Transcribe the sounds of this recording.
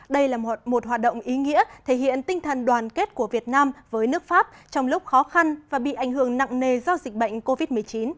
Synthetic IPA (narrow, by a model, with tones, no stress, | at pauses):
ɗə˧jlaː˨˩mo˨˩t̚ɦwaː˨˩t̚ɗo̰˧˨wŋ͡mʔi˨˦ŋḭ˧˥ət̪ʰe˧˩ɦḭ˧˨ənt̪ï˧ŋ̟t̪ʰə˨˩nɗwaː˨˩nke˦˥t̚ku˧˩əvi˨˩ət̚naː˧mvəː˨˦jnɨ˦˥ək̚faː˦˥p̚t͡ɕɔ˧wŋ͡mlʊ˦˥k͡p̚xɔ˨˦xa˧nvaː˨˩ɓḭ˧˨ʔa˧˩jŋɦɨ˧˩əŋna̰˧˨ŋne˨˩zɔ˧zi˨˩k̟̚ɓə̰˧˨jŋ̟ko˧vi˦˥t̚mɨ˨˩əjt͡ɕi˨˦n